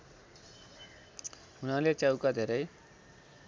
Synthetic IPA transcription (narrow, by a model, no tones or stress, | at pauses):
ɦunalet͡sjawkad̪ʱeɾʌj